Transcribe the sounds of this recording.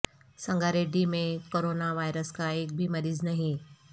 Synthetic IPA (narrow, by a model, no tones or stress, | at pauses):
sə̃ŋɡaɾeːɖimẽkoɾoːnaʋaːjɾəskaeːk̚bʱimɐɾiːznaɦĩ